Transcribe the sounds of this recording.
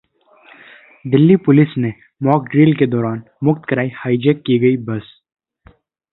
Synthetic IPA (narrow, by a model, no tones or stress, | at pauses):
d̪ɪlːipʊlɪsne | mɔːk̚ɖɾiːlked̪ɔːɾaːn | mʊkt̪kɐɾaːihaːid͡ʒɛkːiɡɐibɐs